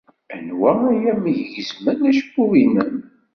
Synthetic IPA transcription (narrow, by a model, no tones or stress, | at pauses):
ænwææjæmiʝʝəzmənæʃkːuvinən